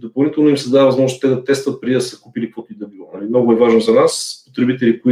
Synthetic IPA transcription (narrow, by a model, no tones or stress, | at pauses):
d̪opɐlˠnit̪ɛlˠnʊimsɛd̪avɐzmɔʒnost̪ɛd̪ɐt̪ɛst̪vət̪̚pɾid̪id̪ɐsɛkupilikvɔt̪id̪ɐbilˠonɐlimnoɡʊɛvaʒnozɐnaspot̪ɾɛbit̪ɛlikoi